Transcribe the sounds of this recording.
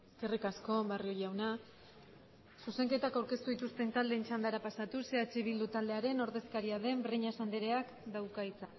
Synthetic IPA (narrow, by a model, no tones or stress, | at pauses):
eske̞rikasko̞βario̞jawna | suse̞ŋke̞t̪akawɾke̞st̪uðit̪ust̪e̞nt̪ald̪e̞ːnt͡ʃand̪aɾapasat̪use̞at͡ʃeβild̪ut̪ald̪e̞aɾe̞no̞ɾðe̞skaɾiaðe̞mbreɲasand̪eɾe̞ak | d̪awkait͡sa